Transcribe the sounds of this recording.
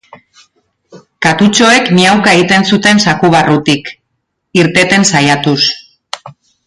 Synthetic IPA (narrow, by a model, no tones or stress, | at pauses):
kat̪ut͡ʃo̞e̞kmiawkae̞ɣit̪e̞nsut̪e̞nsakuβ̞arut̪ik | iɾt̪e̞t̪e̞nsajat̪us